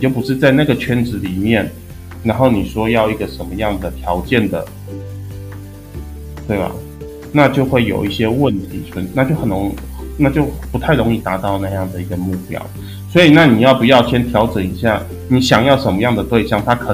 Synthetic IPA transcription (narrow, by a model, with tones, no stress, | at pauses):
t͡ɕjo˥˩ʊpu˨˩ʂɻ̩˥˧t͡sa˥˧ɪna˥˩ɡə˩t͡ɕʰɥɛ˥nʈ͡ʂɻ̩˧˥li˨˩mjɛ˥˩n | ɻa˧˥nxo˥˩ʊni˨˩ʂwɔ˥jɑ˥˧ʊi˧˥ɡə˨ʂə˨˥nmə˦jɑ˥˩ŋd̪ə˩t̪ʰjɑ˧˥ʊt͡ɕjɛ˥˩nd̪ə̰˩ | t̪we˥˩ɪbɐ̰˩ | na˥˧t͡ɕjo˥˧ʊxwe˥˩ɪjo̰˨˩ʊi˥˩ɕjɛ˥wə˥˩nt̪ʰḭ˧˥t͡ɕʰə˨˩nna˥˧t͡ɕjo˥˩ʊxə˨˩nɻo˧˥ŋ | na˥˧t͡ɕjo˥˩ʊpu˧˥t̪ʰa˥˩ɪɻo˧˥ŋi˥˩t̪a˧˥t̪ɑ˥˧ʊna˥˧jɑ˥˩ŋd̪ə˩i˧˥ɡə˧mu˥˩pjɑ̰˥˦ʊ | swɔ˧˥i˨˩na˥˩ni˨˩jɑ˥˩ʊpu˧˥jɑ˥˩ʊɕjɛ˥nt̪ʰjɑ˧˥ʊʈ͡ʂə˨˩ni˧˥ɕja̰˥˩ | ni˨˧˥ɕjɑ˨˩ŋjɑ˥˩ʊʂə˧˥nmə˧jɑ˥˩ŋd̪ə˩t̪we˥˧ɪɕjɑ˥˩ŋt̪ʰa˥kʰə˨